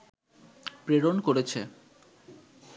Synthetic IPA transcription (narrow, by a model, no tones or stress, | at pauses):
pɾeɾonkoɾet͡ɕʰe